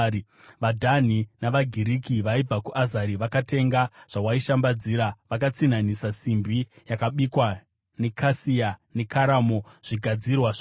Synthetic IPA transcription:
ʋadʱan̤inaʋaɡʱiɾikiʋaib͡vakuʔazaɾiʋakate̞ŋɡaʐ̥awaiʃambad͡ziːɾaʋakat͡sin̤anisasimbijakaɓikwa | ne̞kʰasijane̞kʰaɾamoʐ̥iɡʱad͡zirwaʐ

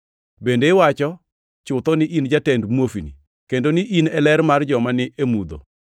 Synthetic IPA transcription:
bendeɪwat͡ʃɔ | t͡ʃʊt̪ɔnɪʔind͡ʒatɛndmwofinḭ | kendonɪʔinɛlɛrmard͡ʒɔmanɪʔemud̪o̰

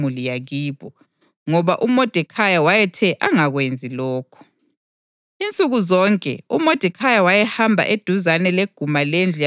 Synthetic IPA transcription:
ulijaɣiːβ̥ɔ | ŋɔβaʔumod̥ʱɛkʰajawajɛtʰɛʔaŋaɣwend͡zʱilɔːkʰɔ̥ | int͡sʼuɣuzɔŋkʼɛ̰umod̥ʱɛkʰajawajɛhambʱa̰ʔed̥ʱuzanɛleɡ̥ʱumalend͡ɮʱ

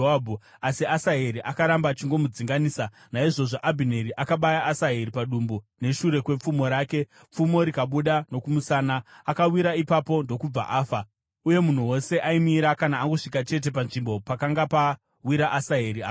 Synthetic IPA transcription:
abʱu | asiasaɦeɾiʔakaɾambaːt͡ʃiŋɡo̞mud͡ziŋɡaniːsa | naiʐo̞ʐo̞ʔabʱine̞ɾiʔakaɓajaːsaɦe̞ɾipaɗumbune̞ʃuɾe̞kwe̞p͡fumo̞ɾaːke̞ | p͡fumo̞ɾikaɓuɗano̞kumusaːnaːkawiɾaipapo̞ndo̞kub͡va̰ʔaːfa | uje̞mun̤uwo̞se̞ʔaimiɾakanaːŋɡoʂikat͡ʃe̞t̬e̞panʐimbo̞pakaŋɡapa | wiɾaʔasaɦeɾia

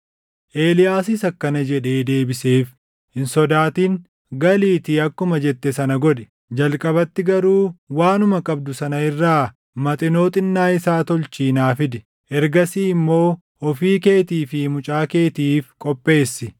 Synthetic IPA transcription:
ʔe̞ːlɪjaːsɪsɐkːɐnɐd͡ʒɛᶑe̞ːd̪e̞ːbɪseːf | hɪnsɔd̪aːt̪iːŋ | ɡɐliːt̪iɐkːʊmɐd͡ʒɛt̪ːɛsɐnɐɡɔᶑɛ̥ | d͡ʒɐlkʼɐbɐt̪ːɪɡɐɾuːwaːnʊmɐkʼɐbd̪ʊsɐnɐɪrːaː | mɐt̪ʼɪnoːt̪ʼɪnːaːɪsaːt̪ɔlt͡ʃiːnaːfɪd̪ɪ | ʔɛɾɡɐsiːɪmːo̞ː | ɔfiːke̞ːt̪iːfɪmʊt͡ʃʼaːke̞ːt̪iːfkʼɔpʼːe̞ːsːɪ

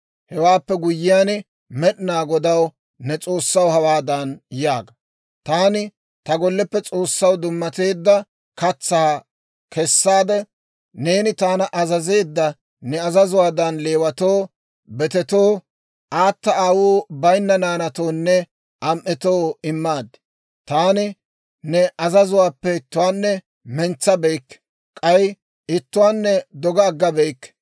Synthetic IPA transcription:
hɛwaːpːɛɡʊjːɪjaːn | mɛɗɪnaːɡɔd̪ɐw | nɛt͡sʼo̞ːsːɐwhɐwaːd̪ɐnjaːɡɐ | t̪aːnɪ | t̪ɐɡɔlːɛpːɛt͡sʼo̞ːsːɐwd̪ʊmːɐt̪e̞ːd̪ːɐ | kɐt͡sːaː | kʰɛsːaːd̪ɛ | ne̞ːnɪt̪aːnɐʔɐzɐze̞ːd̪ːɐ | nɛɐzɐzʊwaːd̪ɐnle̞ːwɐt̪oː | bɛt̪ɛt̪oː | ʔaːt̪ːɐaːwuːbɐjnːɐnaːnɐt̪o̞ːnːɛ | ʔɐmʔɛt̪o̞ːɪmːaːd̪ːɛ̥ | t̪aːnɪ | nɛʔɐzɐzʊwaːpːɛɪt̪ːʊwaːnːɛ | mɛnt͡sːɐbejkːɛ̥ | kʼɐj | ɪt̪ːʊwaːnːɛd̪ɔɡɐːɡːɐbejkː

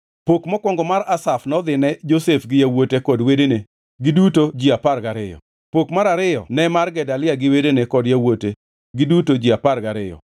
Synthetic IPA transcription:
pokmɔkwɔŋɡɔmaɾasafnɔd̪ɪnɛd͡ʒosefɡɪjawotekɔdwedene | ɡɪdutod͡ʒiaparɡaɾɪjɔ̰ | pokmaɾaɾɪjɔ̰nɛmarɡɛdalɪaɡɪwedenekɔdjawote | ɡɪdutod͡ʒiapaɾɡaɾɪjɔ̰

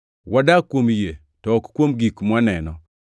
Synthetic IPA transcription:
wadakwomje | tɔːkkːwomɡikmwanɛnɔ

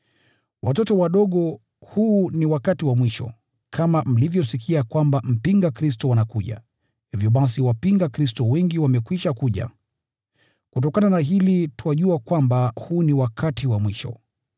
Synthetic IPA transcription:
wʔatɔtɔwaɗɔɠɔ | huːniwakatiwamwiʃɔ̰ | kʰamam̩livjɔsikʰiakwambam̩piŋɡakɾis̬tɔwanakuʄa̰ | hivjɔɓas̬iwapiŋɡakɾis̬tɔwɛŋɡiwamɛkwiʃakuʄa̰ | kutɔkananaɦilituwaʄuakwambahuːniwakʰatiwamwiʃɔ̰

